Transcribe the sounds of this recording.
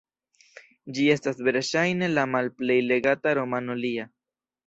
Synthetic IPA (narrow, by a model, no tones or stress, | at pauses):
d͡ʒie̞stasve̞ɾʃajne̞lamalple̞jle̞ɡataɾo̞mano̞lia